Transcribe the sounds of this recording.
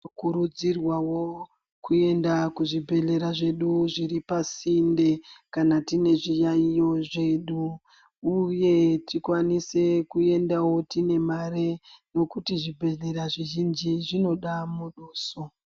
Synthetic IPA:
kuɾud͡zirwawo̞ | kue̞ndakuʐibʱe̞ɮe̞ɾaʐe̞ɗuʐiripasinde̞kanatine̞ʐijaijo̞ʐe̞ɗuː | je̞tikwanise̞kue̞ndawo̞tine̞mareno̞kutiʐibʱe̞ɮe̞ɾaʐiʒind͡ʒiʐino̞ɗamuɗoːso

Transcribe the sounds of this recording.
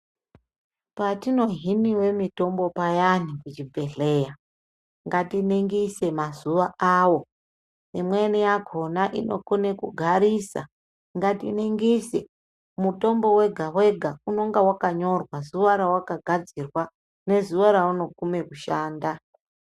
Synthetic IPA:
patino̞ɦiniwe̞mito̞mbopajanikut͡ʃibʱe̞ɮe̞ːja | ŋɡatineŋɡise̞mazuʋaaːwo̞ | nimwenijaɡʱo̞naʔino̞̰kunekuɡʱaɾisa̰ | ŋɡatiniŋɡise | muto̞mbo̞we̞ɡʱawe̞ɡʱauno̞ŋɡawakaɲo̞rwazuʋaɾawakaɡʱad͡zirwa | ne̞zuʋaɾauno̞kume̞kuʃaːnda

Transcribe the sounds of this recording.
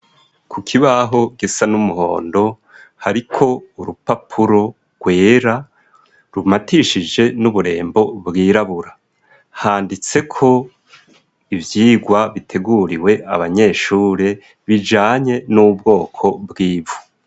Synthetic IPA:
kʰukʰiβaɦo̞ɡisanumuɦo̞̰ːndo̞ | haɾikʰo̞uɾupapʰuɾo̞ | ɡ̥we̞ːɾa | ɾumatiʃid͡ʒe̞nuβuɾe̞̰ːmbo̞bɡiːɾaβuɾa | haːndit͡se̞kʰo̞ | ivjiːɡwaβitʰe̞ɡuːɾiwe̞ʔa̰βaɲe̞ːʃuːɾe | βid͡ʒaːɲe̞nubɡo̞ːkʰo̞bɡiːvvu̥

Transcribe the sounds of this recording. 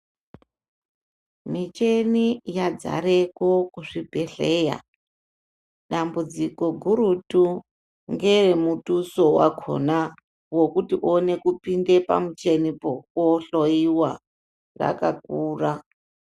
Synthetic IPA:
mit͡ʃe̞nijad͡za̰ɾekokuʐibʱeɬeːja̰ | ɗambud͡ziko̞ɡʱuɾutu | ŋɡe̞remutuso̞wa̰kʰo̰na | wo̞kutiʔone̞kupinde̞pa̰mut͡ʃe̞nipokoɬoiwa | ra̰kakuːra

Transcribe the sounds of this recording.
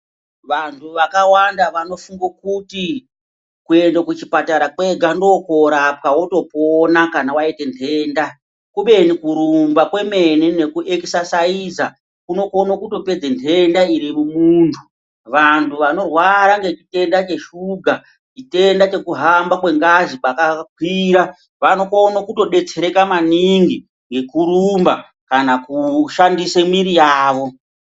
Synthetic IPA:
ʋantʰuʋakawandaʋano̞fuŋɡokuti | kue̞ndakut͡ʃipataɾakwe̞ɡʱando̞ko̞ɾap̚kawoto̞ponakanawaite̞ntʰe̞ːnda | kuɓe̞nikuɾumbakwe̞me̞nine̞kuʔekisasaiza | kuno̞konokuto̞pe̞d͡zentʰe̞ndaiɾimumuːntʰu | ʋantʰuʋano̞rwaɾaŋɡe̞t͡ʃite̞ndat͡ʃe̞ʃuɡʱa | t͡ʃite̞ndat͡ʃe̞kuɦambakwe̞ŋɡaʒipakak̚wiɾa | ʋano̞konokuto̞ɗe̞t͡seɾe̞kamaniŋɡi | ŋɡe̞kuɾumba | kanakuʃandisemiɾijaːʋo̞

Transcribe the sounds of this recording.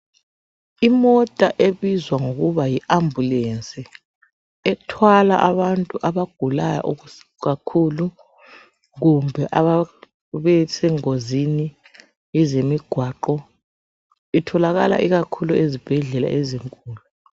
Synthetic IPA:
imɔtʼaʔeβizwaŋoɣuβajiʔambʱulent͡sʼi | ɛtʰwala̰ʔaβantʼuʔaβaɡ̥ʱulaja̰ʔuɣ | ɣakʰulu | ɣumbʱɛʔaβa | βɛsɛŋozini | ɛzemiɡ̥ʱwaːǃɔ | itʰɔlaɣala̰ʔiɣakʰuluezib̥ʱɛɮɛla̰ʔeziŋkʼuːlu

